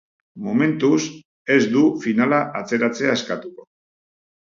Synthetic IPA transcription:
mome̞nt̪us | e̞zd̪ufinalaʔat͡se̞ɾat͡se̞ae̞skat̪uko̞

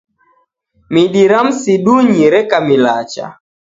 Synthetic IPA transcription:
miɗiɾam̩siɗuɲiɾɛkamilat͡ʃa̰

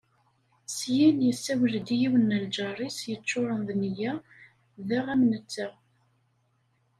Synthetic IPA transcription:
sjinjəsːæwəld̪ijiwənːəld͡ʒɑrˤisjət͡ʃːoɾˤənðnijæ | ðæʁæmnət͡sːə

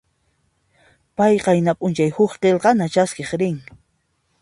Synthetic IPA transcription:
pajqɑjnapʼʊnt͡ʃajhʊχqelqɑnat͡ʃaskeχɾɪŋ

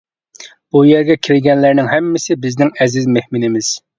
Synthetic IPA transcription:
bujɛɾɡʲɛkʲʰiɾɪɡʲɛnlæɾnɪŋhɛmːɪsɪbɪznɪŋɛzɪzmehmɪnɪmɪz̥

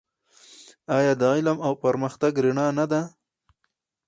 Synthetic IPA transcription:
ɑjɑd̪ɑɪlamawpəɾməxt̪aɡɾiɳɑnad̪a

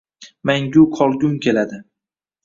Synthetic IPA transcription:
maŋɡʲʊqʰɒlˠɡʲʊmkʲʰe̞lad̪ɪ

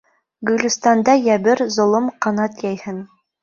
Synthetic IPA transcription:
ɡɵ̆lʲɘ̆st̪ɑnd̪ɑjæβɘɾzŏlˠomqɑnɑt̪jæjhɘn

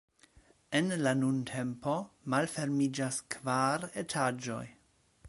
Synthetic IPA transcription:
enlanuntʰe̞mpo̞malfe̞ɾmid͡ʒaskvaɾetʰad͡ʒo̞̰j

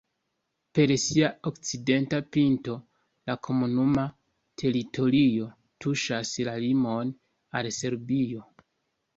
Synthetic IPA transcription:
pe̞ɾsiaokt͡side̞ntapinto̞ | lakʰo̞munuma | tʰe̞ɾitʰo̞ɾio̞ | tʰuʃaslalimo̞n | a̰lse̞ɾbio̞

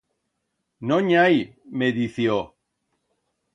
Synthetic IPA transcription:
noɲajmeðiθjo

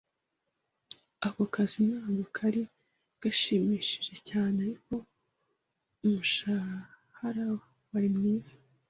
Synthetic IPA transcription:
akokazinaːɡokʰaɾi | ɡ̥aʃiːmiːʃi̥ʒe̞caːneaɾiko̞ | umuʃa | haɾawa | waɾimŋiːz̥ḁ

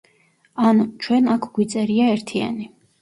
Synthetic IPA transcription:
ant͡ʃʰwɛnakʰɡwit̪sʼɛɾiaɛɾt̪ʰia̰ni

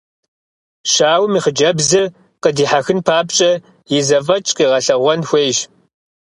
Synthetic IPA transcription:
ʃaːwmiːχəd͡ʒɐbzɨ | qədiːħaxɨnpʰaːpt͡ʃʼɐ | jɪzɐfɐt͡ʃʼqiːʁɐɬɐʁʷɔnxʷeːʒ

